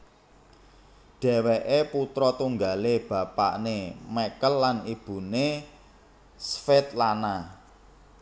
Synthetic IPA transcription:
ɖ̥ɛ̤weʔeput̪ɾɔt̪uŋɡaleb̥ä̤pa̰ʔnemekəlːanib̥ṳne | sfɪt̪̚lana

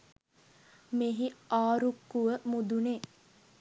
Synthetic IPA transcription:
meɦiaːɾukːuʋəmud̪uneː

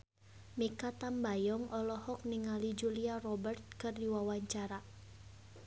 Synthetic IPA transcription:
mikat̪ambajɔŋʔɔlɔhɔk̚niŋalid͡ʒuliarɔbərt̪̚kɨrdiwawaɲt͡ʃaɾa

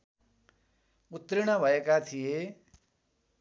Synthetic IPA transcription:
ut̪ɾiɽ̃ʌbʱʌekat̪ʰije

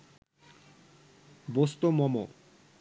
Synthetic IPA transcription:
bost̪omɔmo

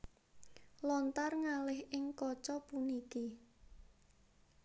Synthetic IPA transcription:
lɔnt̪arŋalɪhɪŋkɔt͡ʃɔpuniki

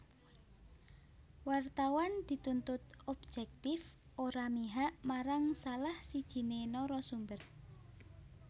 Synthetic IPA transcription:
wart̪awand̪̥i̤t̪unt̪ʊt̪̚ɔb̥̚d͡ʒ̥ɛk̚t̪ɪf | oɾamiɦaʔmaɾaŋsalahsid̥ʒ̥i̤nenɔɾɔsumbər

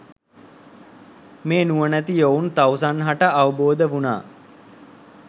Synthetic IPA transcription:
meːnuʋənæt̪iount̪awsanɦaʈəʔaʋəboːd̪əʋuna̰ː

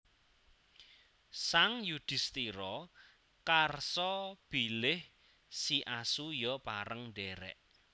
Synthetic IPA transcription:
saŋjud̪̥ɪ̤st̪iɾɔ | karsɔb̥ilɪh | siʔasujɔpaɾəŋɳɖɛɾɛ̰ʔ

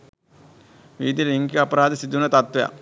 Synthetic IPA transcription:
ʋiːd̪iliŋkɐpɐɾaːd̪isid̪ːunɐt̪ɐt̪ʋɐja̰

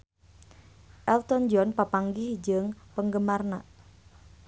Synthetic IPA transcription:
ʔɛlt̪ɔnd͡ʒɔnpapaŋɡɪhd͡ʒəŋpəŋɡəmarna

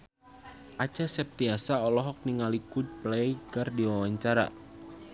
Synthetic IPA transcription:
ʔat͡ʃasɛp̚t̪iasaɔlɔɦɔk̚niŋalikud̚plɛjɡardiwawaɲt͡ʃaɾa̰

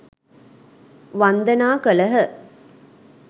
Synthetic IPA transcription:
ʋand̪ənaːkələɦə

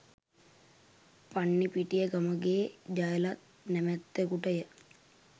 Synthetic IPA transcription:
paɳːipiʈijəɡaməɡeːd͡ʒajəlat̪̚ | nɛmæt̪ːekuʈəjə

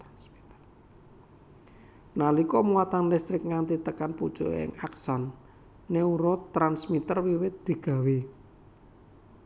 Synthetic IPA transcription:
nalikɔmuwat̪anlɛst̪ɾɪk̚ŋant̪it̪əkanpud̥t͡ʃuʔɪ̰ŋaksɔnː | euɾɔt̪ɾansmit̪ərwiwɪt̪̚d̪̥i̤ɡ̥a̤wi

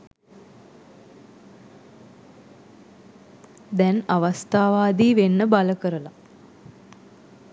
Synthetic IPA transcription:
d̪ɛnaʋast̪aːʋaːd̪iːʋenːəbaləkəɾəla

